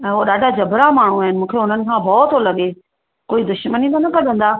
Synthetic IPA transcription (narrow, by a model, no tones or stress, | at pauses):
ɛ̃ːɦoɗaːɖʱad͡ʑɐbɾamaːɳ̤ũaːɦɪnɪ̆mũːkʰeɦʊn̤ənɪ̆kʰãbɔːt̪olɐɠe | koːid̪ʊʃmənit̪ɐnɐkʰɐɗə̃nd̪aː